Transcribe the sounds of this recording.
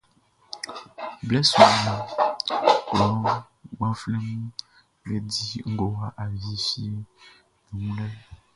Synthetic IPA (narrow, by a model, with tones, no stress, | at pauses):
blɛ˦su˨ma˨ | klɔ˨˦ | ɡ͡bɔ̃˦fle˦m | lɛ˨di˦ŋ̩˦ɡo˨wa˨ʔa˨vi˦fi˦ | nu˨ŋũ˦lɛ˦